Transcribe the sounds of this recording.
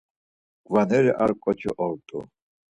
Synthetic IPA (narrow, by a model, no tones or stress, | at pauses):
ɡ̥vanɛɾɛʔaɾkʼɔt͡ʃʰiʔɔlt̪ʼṵ